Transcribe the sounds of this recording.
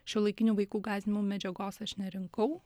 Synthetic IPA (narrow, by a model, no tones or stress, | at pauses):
ʃʲɛːlˠɐɪkʲɪnʲuːʋɐɪkuːɡɑːzʲɪnʲɪmumʲɛd͡ʒʲɛɡoːsɐʃnʲɛɾʲɪŋkɐʊ